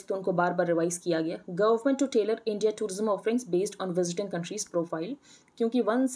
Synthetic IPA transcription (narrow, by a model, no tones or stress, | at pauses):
t̪oʊnkobaːɾbaːɾːɪʋaːɪzkijaɡɐjaːɡɐʋəɾmə̃ɳʈːuʈeːləɾɪ̃ɳɖijaʈuːɾɪzə̃mɔːfɾɪ̃ŋɡzbeːsʈɔ̃ːnʋɪzɪʈɪ̃ŋkɐ̃ɳʈɾiːzpɾoːfaːɪl | kjõːkiʋɐ̃ns